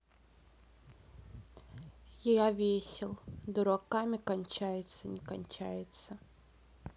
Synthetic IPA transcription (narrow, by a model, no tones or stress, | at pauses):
jɪjavʲesʲɪlˠd̪ʊɾakamʲɪkɐnʲt͡ɕæjɪt̪sənʲɪkɐnʲt͡ɕæ̰jɪt̪sə